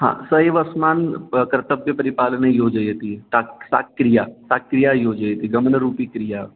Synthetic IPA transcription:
ɦã̰ːsɐɦeʋɐsmaːnkɾɐt̪əbjəpɐɾipaːlənejoːd͡ʒəjɦɐt̪it̪asa̰kːɾijasakɾijajoːd͡ʒəjɦɐt̪iɡɐmənəɾuːpikɾija

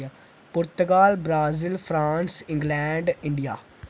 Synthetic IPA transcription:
pʊɾt̪əɡaːlbɾaːzɪlpʰɾaːnsɪ̃ŋɡlɛːɳɖɪ̃ɳɖijaː

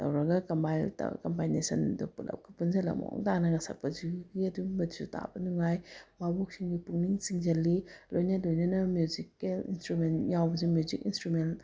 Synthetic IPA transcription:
tɐ̰wɾɐɡɐkampajta̰kampajnesɐndupulɐ̰p̚kʰḁpunzɐlɐ̰mɔ̰ŋtanɐŋɐsɐ̰k̚pɐziɡiɐduɡibɐdisuta̰bɐnuŋajmabɔk̚siŋɡipuŋniŋsiŋzɐlilojnɐlojnɐnɐmjuzikelḭnstɾumenjawbɐzimjuzikinstɾumen

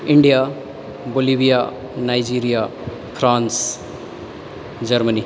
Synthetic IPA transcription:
ɪɳɖija | bolibija | najd͡ʒiːɾija | pʰɾãːns | d͡ʒɐɾməni

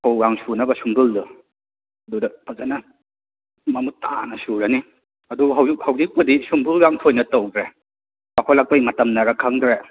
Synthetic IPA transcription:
hawɡaŋsunɐbɐsumbɯldu | ɐdudɐpʰazanɐ | mɐmutːa̰nɐsuɾɐni | ɐduɦawkhawzik̚pɐdisumbɯlɡaŋtʰojnɐtowdɾe | bakʰolɐk̚pɐjmɐtɐmnɐɾɐkʰɐŋdɾe

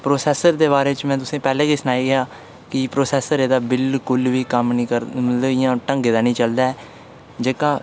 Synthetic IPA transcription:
pɾoːsɛːsəɾd̪eːβaːɾeːt͡ʃmɛ̃ːt̪ʊsẽːpɛːlẽːkiːsənaːiːɡɪaː | kɪpɾoːsɛːsəɾeːd̪aːbɪlkʊlʋiːkəmnĩːkəɾmət̪ləbɪjãːʈəŋɡeːd̪aːnĩːt͡ʃəld̪aːɛː | d͡ʒeːkãː

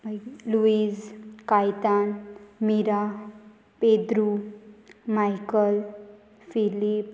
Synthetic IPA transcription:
luid͡zkajt̪anmiɾa | ped̪ɾu | majkəl | filip

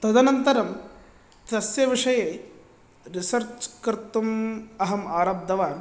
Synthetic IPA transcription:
t̪ɐd̪ɐnɐnt̪ɐɾɐm | t̪ɐsjɐʋiʂɐjeː | ɾisɐɾt͡ʃkɾt̪umɐɦɐmaːɾɐb̚d̪ʱɐʋaː

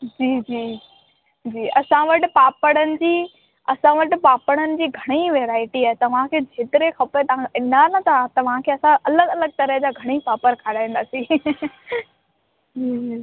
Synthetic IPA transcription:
d͡ʑiːd͡ʑiː | d͡ʑiːɐsãʋɐʈɪ̆paːpəɽ̃ənɪ̆d͡ʑiː | ɐsãʋɐʈɪ̆paːpəɽ̃ənɪ̆d͡ʑiːɡʱɐɽ̃iʋeːɾaːɪʈiaːɦɪt̪ɐʋ̤ãkʰeːd͡ʑʱeːt̪ɪɾexɐpəɾt̪ɐãɪnaːnɐt̪ʰaat̪ɐʋ̤ãkʰeːɐsãʔɐləɡɐləɡ̚t̪ɐɾəɦd͡ʑaːɡʱɐɽ̃ipaːpəɾkʰaːɽaːĩnd̪aːsĩ | d͡ʑiːd͡ʑiː

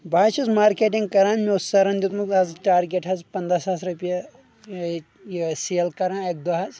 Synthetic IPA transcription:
bʱaːt͡ʃʰɐzmaːɾkeːʈiŋɡkɐɾaːnmeussɐɾɐnd̪ut̪mukɐzʈaːɾɡʲeʈɦɐzpɐnd̪ɾasaːsɾupjɐ | seːlkɐɾãnek̚d̪ɐɦɐz

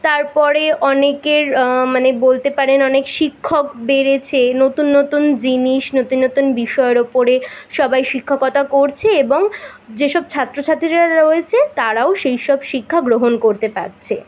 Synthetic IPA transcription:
t̪aɾpɔɾeʔɔnekeɾmanebolt̪epaɾenɔnekʃikʰːokbeɾet͡ɕʰenot̪unːot̪und͡ʑiniʃnot̪unːot̪unbiʃɔeɾopoɾeʃɔbajʃikʰːakɔt̪akoɾt͡ɕʰeeboŋ | d͡ʑeʃɔb̚t͡ɕʰat̪ːɾot͡ɕʰat̪ɾiɾaɾoet͡ɕʰet̪aɾaoʃejʃɔbʃikʰːaɡɾoɦonkoɾt̪epa̰ɾt͡ɕʰe

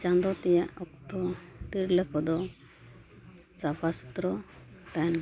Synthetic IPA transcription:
t͡ʃand̪ɔt̪ɛjaʔɔk̚t̪ɔt̪iɾlɛkʰɔd̪ɔ | sapʰast̪ɾɔt̪an

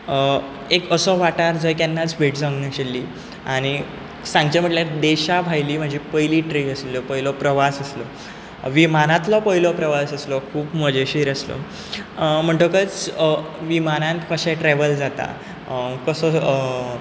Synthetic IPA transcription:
ekəsɔʋaʈaɾd͡zəjkanːat͡sbʱeʈd͡zãŋɡnaɕelːiː | aɽ̃i | sãŋɡt͡ɕam̤əʈljaɾd̪eɕabʱajliːm̤ad͡ʑʱipəjliːʈɾiəslɔpəjlɔpɾəʋasəslɔ | ʋimanãt̪lɔpəjlɔpɾəʋasəslɔkʰuːpməd͡ʑeɕiɾəslɔ̰ | m̤əɳʈəkət͡s | ʋimanãnt̪kəɕɛʈɾɛʋəld͡zat̪a̰ | kəsɔ

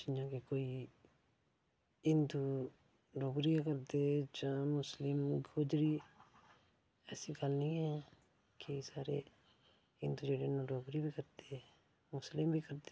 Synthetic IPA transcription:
d͡ʒɪɲãːkekoːi | ɪnd̪u | ɾoːɡɾikəɾd̪ed͡ʒãmʊslɪmɡʱod͡ʒɾi | ɛːsiɡalnĩɛ̃ | kesaːɾe | ɪnd̪ud͡ʒeːɽenõɾoːɡɾibʱikəɾd̪e | mʊslɪmbʱikəɾt̪e

